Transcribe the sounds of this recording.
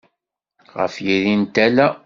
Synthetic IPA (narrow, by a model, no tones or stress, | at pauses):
ʁə̰fjiðint̪ælæ